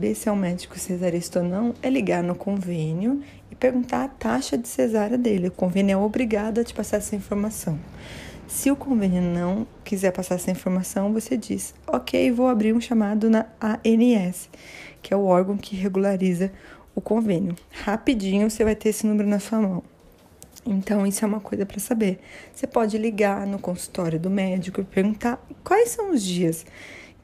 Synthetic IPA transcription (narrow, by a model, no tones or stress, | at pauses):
besɪawmɛd͡ʒɪ̥kʊsezaɾist̪onɐ̃w̃ɛliɡaɾnʊkõvẽnjʊ | ɪpeɾɡũnt̪aɾat̪aʃɐd͡ʒɪsezaɾɐd̪elɪʊkõvẽnʊɛobɾiɡad̪ʊɐt͡ʃɪ̥pasaɾsẽĩfoɾmasɐ̃w̃sɪʊkõvẽnjʊnɐ̃w̃kizɛɾpasaɾsẽĩfoɾmasɐ̃w̃vosed͡ʒis | okʰejɪvowabɾiɾũʃamad̪ʊnɐaeniɛsɪ̥kɪɛʊɔɾɡɐ̃w̃kʰɪɦeɡulaɾizɐ | ʊkõvẽnjʊhapid͡ʒĩɲʊvosevajt̪eɾesɪnũmeɾʊnɐsuɐmɐ̃w̃ | ẽnt̪ɐ̃w̃isʊɛũmɐkojzɐpɾɐsabeɾsepɔd͡ʒɪliɡaɾnʊkõsu̥t̪ɔɾjʊd̪ʊmɛd͡ʒikʊpeɾɡũnt̪akwajsɐ̃w̃ʊzd͡ʒiɐs